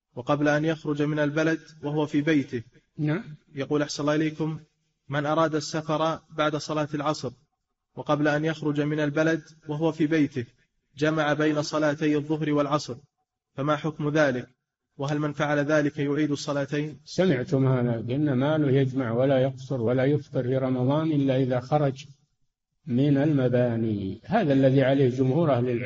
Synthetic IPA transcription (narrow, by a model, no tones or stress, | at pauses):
wɑqɑblaʔanjaxɾʊd͡ʒmɪnalbalad̪waɦʊwafiːbajt̪ɪh | naʕmjɑquːlaħsanlːɑːʔɪlejkʊmː | ɪnʔɑɾˤɑːd̪asːafɑɾˤɑbaʕd̪asˤɑlɑːt̪alʕɑsˤɾ | wɑqɑblaʔanjaxɾʊd͡ʒmɪnalbalad̪waɦʊwafiːbajt̪ɪh | d͡ʒamaʕabajnasˤɑlaːt̪ajɨðˤːʊɦɾwalʕɑsˤɾ | famaːħʊkmðaːlɪk | waɦalmɪnfaʕalaðaːlɪkajʊʕiːd̪ʊsˤːɑlaːt̪ajnsamɪʕt̪ʊmhaːðabʔɪnːamaːlʊjad͡ʒmaʕwalajɑqsʊɾwalajʊft̪ˤɨɾfiːɾˤɑmɑðˤɑːnʔɪlːaʔɪðaxɑɾˤɑd͡ʒ | mɪnalmabaːnihaːðalːaðiʕaleːhd͡ʒʊmhuːɾʔahlɪl